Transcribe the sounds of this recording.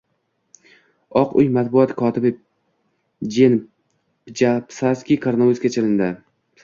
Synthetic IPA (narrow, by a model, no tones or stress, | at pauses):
ɒqʊjmat̪̚bʊɒt̪kʰɒːt̪ʰɪbɪ | d͡ʒen | pd͡ʒapsaskʲikʰaɾnavuskʲat͡ʃʰelɪnd̪ɪ